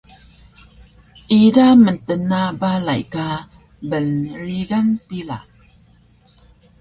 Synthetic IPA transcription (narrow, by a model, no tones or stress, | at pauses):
ʔidaməntənabala̰jka | bənɾiɡaŋpila̰